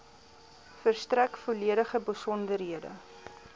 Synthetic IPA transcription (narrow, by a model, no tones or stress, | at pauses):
fərstrækfoliəɾəχəbəsɔndərɦiədə̰